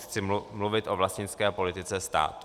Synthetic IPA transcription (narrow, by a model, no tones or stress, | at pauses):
xt͡sɪmluvɪt̪ʔo̞vlascɲɪt͡skɛːpo̞lɪt̪ɪt͡sɛst̪a̰ːt̪